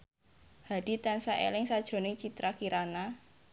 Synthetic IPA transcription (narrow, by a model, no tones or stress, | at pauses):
ha̤ɖ̥i̤t̪ansaʔḛlɪŋsad̥ʒ̥o̤nɪt͡ʃit̪ɾakiɾana